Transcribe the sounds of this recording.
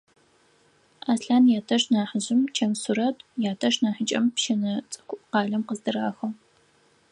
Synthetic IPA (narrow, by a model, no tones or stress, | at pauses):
aːsɬaːnjaːtʰɐʂnaːħəʑɪmt͡ʃʰɐmsuɾɐtjaːtʰɐʂnaːħət͡ʃʼɐmpʃɐnɐt͡sʼɐ̥kʷʊʔqɑːɮɐmqəzdɨraːxɐw